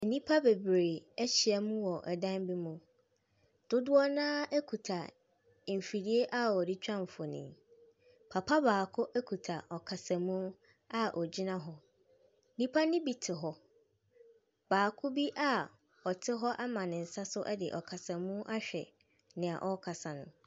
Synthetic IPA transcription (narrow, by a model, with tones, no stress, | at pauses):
e˨nĩ˦pʰa˦be˨bɾe˨ɛ˦ɕi˨ɛ˨mũ˦wɔ˨ʔɛ˨dã˦nbi˦mũ˨ | d̥ʊ˦dʊ˦ɔ˦nãː˦ɛ˦kʰu˨tʰa˨ | m̩˨fi˨ɾi˦e˦ʔa˦ɔ˨di˦t͡ɕᶣã˦m˨fɔ˨nḭ̃˨ | pʰa˨pʰa˦baː˨kʰʊ˦ʔæ˦kʰu˨tʰa˨ɔ˨kʰa˨sã˨mũ˦ | a˦ʔɔ˨d͡ʑi˦nã˦ɦɔ˦ | nĩ˦pʰa˦nɪ̃˦bi˦tʰɪ˨ɦɔ˦ | b̥aː˨kʰʊ˦bi˦ʔa˦ | ɔ˨tʰɪ˦ɦɔ˦ʔa˦mã˨nɪ̃˨n̩˨sa˦sʊ˦ʔɛ˦dɪ˨ʔɔ˨kʰa˨sa˨mũ˦ʔa˦ɕᶣɛ˨ | nɪ̃˨a̰˨ʔɔ˦kʰa˨sa˨nʊ̰̃˨